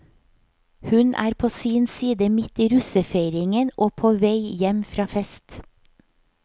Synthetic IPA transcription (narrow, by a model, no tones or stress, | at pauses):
hʉnʔæ̰ːɾpʰoːsiːnsiːd̪əmɪt̪iːɾʉsəfeɪɾɪŋənʔoːpʰoːʋeɪjɛmfɾɑːfɛst̪